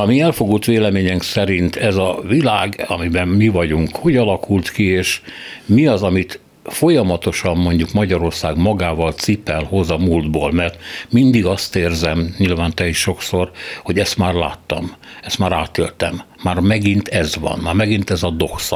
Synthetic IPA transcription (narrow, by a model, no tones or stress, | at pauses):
ɒmiɛlfo̞ɡuːt̪ʋeːlɛmeːɲɛmksɛɾint̪ʰɛzɒvilaːɡɒ̰mibɛmmivɒɟuŋkho̞ɟɒlɒkult̪kieːʃmiɒzɒmit̪ | fo̞jɒmɒt̪o̞ʃɒmːo̞ɲɟukmɒɟɒɾo̞rsaːɡmɒɡaːvɒlt̪sipɛlho̞zɒmuːld̪boːlmɛrt̪mind̪iɡɒst̪eːrzɛmɲilvaːnt̪ɛiʃʃo̞kso̞rho̞ɟɛst̪maːrlaːt̪ːɒmɛst̪maːɾaːt̪ḛːlt̪ɛ̰mːaːrmɛɡint̪ʰɛzʋɒ̰nmaːrmɛɡint̪ɛzɒd̪o̞ks